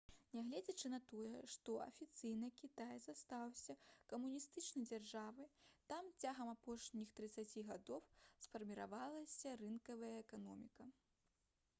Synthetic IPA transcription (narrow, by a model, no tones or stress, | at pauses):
nʲɛɣlʲɛd͡zʲɐt͡ʂɨnɐt̪ɔjɛʂt̪ɔɐ̰fʲit̪sɨjnɨkʲit̪ajzast̪awsʲɐkɐmunʲist̪ɨt͡ʂnɐjd͡zʲarʐavɨjt̪amt͡sʲaɣɐmapɔʂnʲixt̪ɾɨt̪sat͡sʲiɣad̪ɔwsfɐrmʲiɾa̰valˠɐsʲɐrɨnkɐvɐjɐɛkan̪ɔmʲikɐ